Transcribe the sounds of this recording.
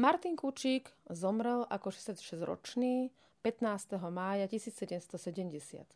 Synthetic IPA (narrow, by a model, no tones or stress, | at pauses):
maɾt̪iŋkut͡ʃiːɡzɔmɾɛlʔakɔʃɛsatʃɛzɾɔ̰t͡ʃniː | pɛt̪naːst̪ɛɦɔmaːjacisiːt͡ssɛɟɛmst̪ɔsɛɟɛmɟɛsɪa̰t̪